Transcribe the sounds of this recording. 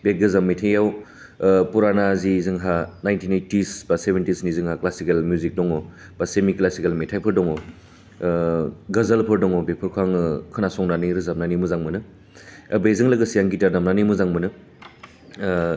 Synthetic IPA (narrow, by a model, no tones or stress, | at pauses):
bek̚ɡɐzamːitʰejaw | puɾanazizɯŋɦanajntinejtisbasebʱentisnizɯŋhaklasikelmjuzik̚dɔŋɔ | b̥asemiklasikelmetʰajpʰɯɾdɔŋɔ | ɡɐzɐlpʰɯɾdɔŋɔbepʰɯɾkʰaŋkʰɯnasɔŋnaniɾɯzam̚nanimuzaŋmɯnɯ | ɐbezɯŋlɐɡɐsijaŋɡitaɾdamnanimuzaŋmɯnɯ